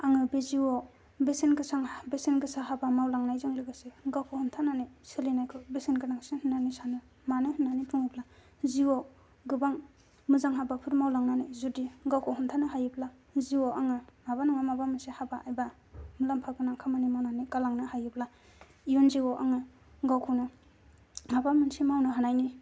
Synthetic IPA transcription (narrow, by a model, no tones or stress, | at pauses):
aŋɯbeziwɔ | besenɡɯsaŋbesenɡɯsaɦabamawlaŋnajzɯŋlɯɡɯseɡawkʰɔhuntʰananisɯlinajkʰɯbesinɡɯnaŋsihɯnːanisanɯ | manɯhɯnːanitʰuŋɯpla | ziwɔ | ɡɯbaŋ | mɯzaŋɦabapʰɯtmawlaŋnanizudiɡawkʰɔhuntʰanɯɦajɯpʰla | ziwɔʔaŋɯmabanaŋamabamɯnsehabaʔajba | mɯlampʰakɯnaŋkʰamanimawnanikalaŋnɯhajɯpla | ijunziwɔʔaŋɯ | ɡawkʰɔwnɯ | mabamɯnsimawnɯɦanajni